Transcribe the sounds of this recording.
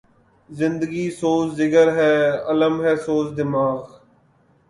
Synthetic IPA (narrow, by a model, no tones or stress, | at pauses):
zɪ̃nd̪əɡiːsoːszɪkəɾɦɛːələmɦɛːsoːsd̪ɪmaːɣ